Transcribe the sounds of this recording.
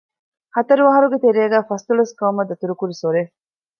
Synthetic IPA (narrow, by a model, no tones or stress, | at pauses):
hɐt̪ɐɾuʋɐɦɐɾuɡet̪eɾeːɡæːfɐst̪uɭɐskɐumɐd̪ɐt̪uɾukuɾisoɾef